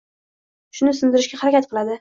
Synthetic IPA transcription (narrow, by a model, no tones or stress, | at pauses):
ʃʊnɪsʊnd̪ɪɾɪʃɡʲahaɾakʲat̪̚qʰɨlˠad̪ɪ